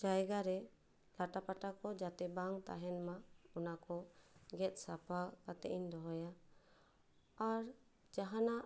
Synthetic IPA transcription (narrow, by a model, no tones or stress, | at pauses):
d͡ʒajɡaɾɛ | laʈapaʈakɔd͡ʒat̪ɛbaŋt̪a̰ɦɛnmaɔnakɔɡɛt̪̚ˀsapakat̪ɛʔiɲd̪ɔɦɔja | ɾ | d͡ʒaɦanaʔ